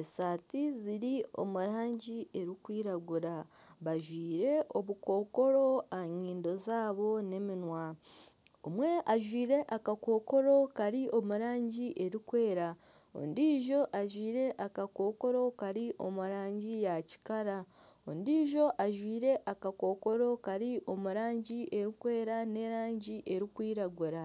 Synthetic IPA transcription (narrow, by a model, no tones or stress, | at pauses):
esaːtiziɾio̞̰muɾaːɲɟie̞ɾikwiːɾaɡuɾaβaʒwiːɾe̞ʔo̞βuko̞ːko̞ɾo̞aɲiːndo̞zaːβo̞ne̞minwa | omwe̞ʔaʒwiːɾe̞ʔakako̞ːko̞ɾo̞kaɾiʔo̞muɾaːɲɟiʔe̞ɾikwe̞ːɾa | o̰ndiːʒo̞ʔaʒwiːɾe̞ʔakako̞ːko̞ɾo̞kaɾiʔo̞̰muɾaːɲɟijaci̥kaɾao̰ndiːʒo̞ʔaʒwiːɾe̞ʔakako̞ːko̞ɾo̞kaɾiʔo̞muɾaːɲɟiʔe̞ɾikwe̞ːɾane̞ɾaːɲɟiʔe̞ɾikwiːɾaɡuɾa